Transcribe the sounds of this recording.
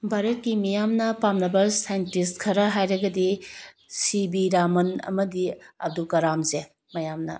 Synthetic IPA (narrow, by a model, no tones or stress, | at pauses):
bʱaɾɐt̚kimijamnɐpamnɐbɐsajentistkʰɐɾɐɦajɾɐɡɐdi | sibiɾamɐnɐ̰mɐdiɐ̰dukɐɾamze | mɐjamnɐ̰